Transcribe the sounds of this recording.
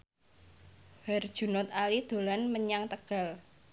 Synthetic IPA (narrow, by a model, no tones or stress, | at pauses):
hɛrd̥ʒ̥ṳnɔt̪alid̪̥o̤lanməɲaŋt̪əɡ̥a̤l